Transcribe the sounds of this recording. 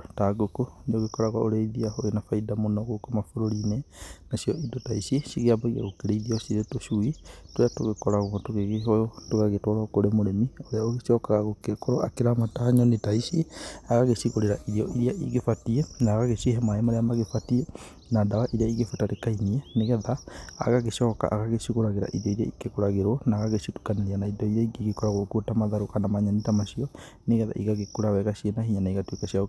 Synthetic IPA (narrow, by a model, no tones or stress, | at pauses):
taɡokonioɣekoɾaɣwaoɾeiðiaoɣenafaidamonɔɣokomafoɾoɾinenasiɔidotaisisiɣeambaiɣia̰ɣokeɾeiðiosiɾetoʃuitoɾeatoɣekoɾaɣwɔtoɣeɣeɦɔtoɣaɣetwɔɾakoɾemoɾemioɾeaoɣesɔkaɣaɣokekoɾoakeɾamataaɲonetaisiaɣaɣeʃiɣoɾeɾaʔiɾiɔʔiɾiaʔḭɣefatiɛnaːɣaɣeʃieɦɛmaemaɾeamaɣefatiɛ | nadawaʔiɾeaiɣefotaɾekainiɛneɣɛða̰ːɣaɣeʃɔːka̰ʔaɣaɣeʃiɣoɾaɣeɾa̰ʔḭðiɔiɾiaikekoɾaɣeɾwɔnaɣaɣeʃitu̥kaneɾianaidɔiɾɛiɡeɣekɔɾaɣokotamaðaɾokanamaɲanitamaʃiɔ | neɣɛða̰ʔiɣaɣekoɾawɛɣaɕienaɦiɲanaiɣatwekaɕia